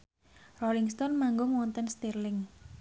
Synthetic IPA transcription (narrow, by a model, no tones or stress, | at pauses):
rɔlɪŋst̪ɔnmaŋɡʊŋwɔnt̪ənst̪irlɪŋ